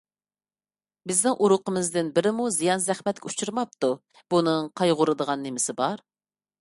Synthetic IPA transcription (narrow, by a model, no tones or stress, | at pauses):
bɪznɪŋʔuɾʊqəmɪzd̪ɪnbɪɾɪmuzijɑnzɛχmɛt̪̚kʲɛut͡ʃʰuɾmɑp̚t̪u | b̥unɨŋqʰɑjʁʊɾɨd̪əʁɑnːɪmɪsɪbɑɾ